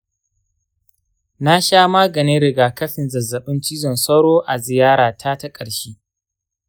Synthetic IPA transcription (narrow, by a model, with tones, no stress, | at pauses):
na˦ʃaː˦maː˦ɡɐ˨ni˦ɾɪ˨ɡaː˨kɐ˦ɸɪ˨nzɐ˨zːɐ˨ɓɪ˦nt͡ʃiː˦zɔ˨nsɐ˦wɽoː˦ʔa˨zɪ˨jaː˦ɽaː˨tʰa˦tɐ˦kʼɐ˨ɽʃiː˦